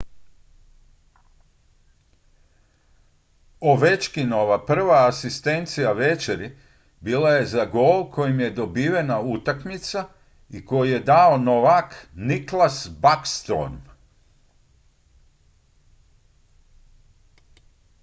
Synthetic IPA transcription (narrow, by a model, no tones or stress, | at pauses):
oʋet͡ʃkino̞ʋapr̩ʋaːsist̪e̞nt̪sijaʋe̞t͡ʃeɾi | biːlaje̞zaɡo̞ːlˠkʰo̞jimje̞d̪obiːʋenaut̪akmit̪sa | iko̞jije̞d̪aonoʋakniklasbakst̪ɾo̰n